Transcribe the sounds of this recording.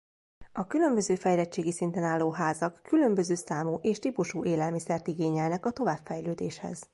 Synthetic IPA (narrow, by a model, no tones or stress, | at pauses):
ɒkylø̞mbø̞zøːfɛjlɛt͡ʃːeːɡisint̪ɛnaːlːoːɦaːzɒkːylø̞mbø̞zøːsaːmuːʔeːʃt̪ipuʃuːʔeːlɛlmisɛrt̪iɡeːɲɛlnɛkɒt̪o̞vaːbfɛjløːd̪eːʃhɛ̰z̥